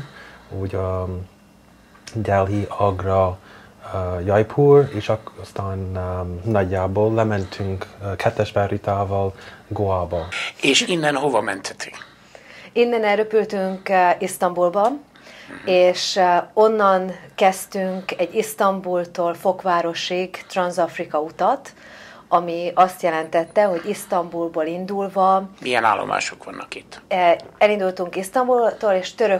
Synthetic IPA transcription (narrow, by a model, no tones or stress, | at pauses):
uːɟɒ | d̪ɛlɦiɒɡrɒ | jɒjpʰuːreːʃɒst̪aːnnɒɟːaːboːlːɛmɛnt̪ʰyŋkkʰɛt̪ːɛʃbɛrit̪aːvɒlɡoaːbɒeːʃinːɛnɦovɒmɛ̰nt̪hɛt̪ʰyŋ | inːɛnɛlɾøpylt̪yŋkist̪ɒmbulbɒ | eːʃo̞nːɒnkɛst̪yŋkɛɟːist̪ɒmbult̪oːlfo̞kʋaːɾo̞ʃiɡt̪rɒnzɒfrikɒut̪ɒt̪ | ɒmiɒst̪jɛlɛnt̪ɛt̪ːɛɦo̞ɟist̪ɒmbulboːlind̪ulvɒmijɛna̰ːlːo̰ma̰ːʃokʋɒnːʔɒkit̪ːɛlind̪ult̪uŋkist̪ɒmbult̪oːleːʃt̪ø̞ɾø